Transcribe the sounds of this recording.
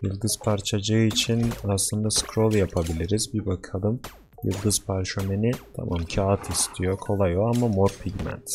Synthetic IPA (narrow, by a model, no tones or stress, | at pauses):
jɯlˠd̪ɯzpʰaɾt͡ʃʰad͡ʒɯɯit͡ʃʰinaslˠɯnd̪askɾo̞lˠjapʰabilʲiɾizbibakʰalˠɯm | jɯ̰lˠd̪ɯz̥pʰaɾʃømenit̪ʰa̰mʔamcʰaːat̪ʰist̪ʰijo̞kʰo̞lˠajoamamoɾpʰiɟmæ̰nt̪